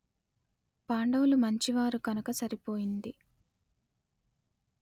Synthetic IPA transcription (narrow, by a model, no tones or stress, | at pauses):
paːɳɖɐwlumɐɲt͡ʃiʋaːɾuɡɐnɐkɐsɐɾipo̞ːjind̪i